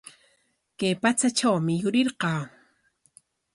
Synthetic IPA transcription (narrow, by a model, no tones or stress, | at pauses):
kajpat͡sat͡ʃawmɪjʊɾɪɾqɑː